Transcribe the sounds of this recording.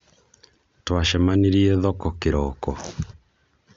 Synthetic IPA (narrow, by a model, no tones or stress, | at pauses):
twaʃɛmaniɾiɛðɔkɔkeɾɔːkɔ